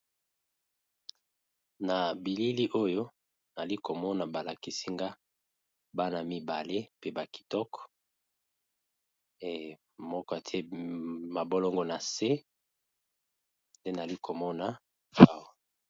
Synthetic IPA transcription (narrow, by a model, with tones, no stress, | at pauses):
na˨bi˨li˦li˦ʔo˦jo˦ | na˨li˦ko˨mɔ˦na˨ba˨la˨ki˨si˦ŋɡa˦ | ba˦na˨mi˨ba˨le˦pe˦ba˨ki̥˨tɔ˦kɔ̥˨ | mɔ˦kɔ˦a˨tʰe˦ma˨bo˦lɔ˦ŋɡɔ˦na˨se˦ | nde˦n˨a˨li˦ko˨mɔ˦na˨ | a˦˨wa˨